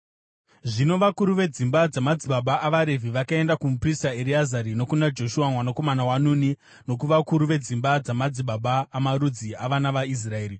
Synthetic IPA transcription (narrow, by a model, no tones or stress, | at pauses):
ʐino̞ʋakuɾuʋe̞d͡zimbad͡zamad͡ziɓaɓaːʋaɾe̞viʋakae̞ndakumupristaeɾiazaɾino̞kunad͡ʒo̞ʃuwamwanako̞manawanuni | no̞k̬uʋakuɾuʋe̞d͡zimbad͡zamad͡ziɓaɓaːmaɾud͡ziaʋanaʋais̬rae̞ːɾi